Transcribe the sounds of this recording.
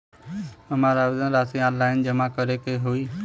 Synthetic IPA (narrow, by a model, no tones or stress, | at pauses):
ɐmaɾaːʋɪzə̃nɾaːsiãːlaːɪnd͡ʑɐmakəɾekeɦuiː